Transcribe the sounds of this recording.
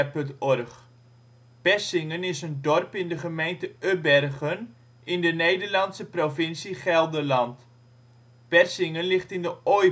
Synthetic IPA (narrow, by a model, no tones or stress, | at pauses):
pøntɔrχ | pɛsɪŋənɪsəndɔrpɪndəχəmejntəʔøbɛrχən | ɪndənejdərlɑntsəprofɪnsiχɛlˠdəlɑnt | pɛrsɪŋənlɪχtɪndəo